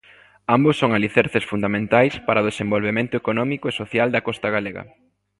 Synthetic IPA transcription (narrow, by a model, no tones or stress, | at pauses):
ambʊsːoŋaliθɛɾθesfund̪amẽnt̪ajspaɾɐoðesẽmbolβemẽnt̪ʊekonɔmikʊesoθjald̪ɐkɔst̪ɐɣaleɣɐ̰